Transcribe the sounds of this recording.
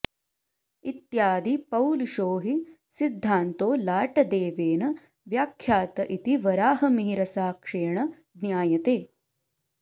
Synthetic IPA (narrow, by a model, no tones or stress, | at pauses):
it̪jaːd̪ipɐwluʃoːɦi | sid̪ʱːaːnt̪oːlaːʈɐd̪eːʋeːnɐ | ʋjaːkʰjaːt̪ɐʔit̪iʋɐɾaːɦɐmiɦiɾɐsaːkʂeːɐɳɐ | d̪njaːjɐt̪eː